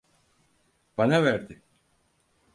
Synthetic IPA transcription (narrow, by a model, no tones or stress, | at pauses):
b̥anavæɾd̪ɪ